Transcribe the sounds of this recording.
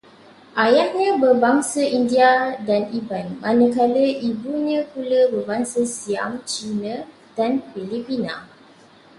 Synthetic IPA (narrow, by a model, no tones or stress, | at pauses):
ʔajahɲə̃bəbaŋsəʔindiadanibanmʔãnə̃kaləʔibuɲãkuləbəbaŋsəsia̰mt͡ʃinə | d̥anfilipina̰